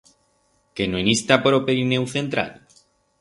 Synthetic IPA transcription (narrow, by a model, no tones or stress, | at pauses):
kenoenist̪apoɾopeɾinewθe̞nt̪ɾa̰l